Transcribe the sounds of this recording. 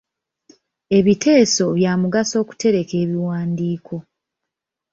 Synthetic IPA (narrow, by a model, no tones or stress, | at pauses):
e̞βite̞ːso̞βjaːmuɡaso̞ːku̥te̞ɾe̞ke̞ːβiwaːndiːkʰo̞